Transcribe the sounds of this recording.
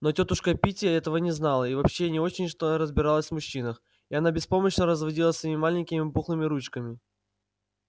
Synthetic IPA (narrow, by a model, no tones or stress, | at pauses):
no̞tʲot̪ʊʂkəpʲitʲɪjəɛt̪əvənʲɪznalˠəivɐpɕːenʲɪo̞t͡ɕɪnʲʂt̪oɾəzbʲɪɾalˠəsʲvmʊɕːinəx | iɐnabʲɪspo̞məɕnəɾəzvɐdʲilˠəsvʲimʲɪmalʲɪnʲkʲɪmʲɪbuxlˠɨmʲɪɾut͡ɕkəmʲɪ